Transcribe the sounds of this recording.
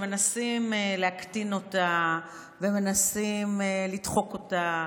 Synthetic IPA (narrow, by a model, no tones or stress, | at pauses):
me̞nasimeleaktino̞ta | veme̞nasimelidχo̞ko̞ta